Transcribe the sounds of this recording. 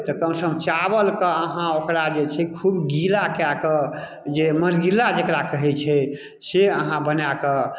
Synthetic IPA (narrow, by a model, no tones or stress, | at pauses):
t̪ɔkəmsəmt͡ʃabəlkəəɦãokɾad͡ʒet͡ʃʰɛkʰubɡilakakə | d͡ʒeməɾɡilad͡ʒekɾakəɦɛt͡ʃʰɛ | seəɦãbənakə